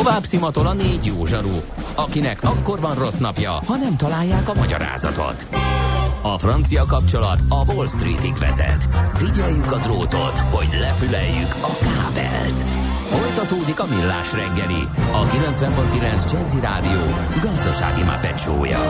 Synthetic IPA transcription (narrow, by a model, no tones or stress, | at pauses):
ovaːbsimɒt̪olɒneːɟjoːʒɒɾu | ɒkinɛkɒkːo̞rvɒnro̞snɒpjɒhɒnɛmt̪ɒlaːjːaːkɒmɒɟɒ̰ɾa̰ːzɒ̰t̪o̞̰t̪ | ɒfrɒnt̪sijɒkɒp̚t͡ʃo̞lɒt̪ɒvo̞lst̪rḭːt̪ikvɛ̰zɛ̰t̪viɟɛjːykɒd̪roːt̪o̞t̪ho̞ɟlɛfylɛjːykɒkaːbɛ̰lt̪ | fo̞lt̪ɒt̪oːd̪ikɒmilːaːʃrɛŋɡɡɛlḭɒkilɛnt̪svɛmponkilɛnzd͡ʒɛziɾa̰ːd̪ijoː | ɡɒzd̪ɒʃa̰ːɡima̰pɛt͡ʃo̰ːjɒ̰